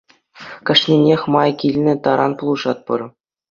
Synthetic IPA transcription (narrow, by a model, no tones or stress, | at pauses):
kʲɘ̆ʂnʲenʲexʲmɑjkʲilʲnʲɘ̆t̪ɑɾʔɑnpulˠɤ̆ʐɑt̪̚pɤ̆rɤ